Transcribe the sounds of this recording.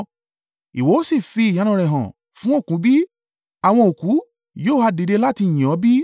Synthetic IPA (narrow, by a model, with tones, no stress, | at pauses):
i˨wo˨˦o˦si˦˨fi˧i˨j̃ã˨˦nã˨˧ɾɛ˨ɦã˨ | fũ˦o˦˨kũ˨˦bi˦ | a˨w̃ɔ̃˧o˨kũ˨˦ | joː˦˨ha˧de˨de˧la˦tĩ˧˨ɔ̃˨˦bi˦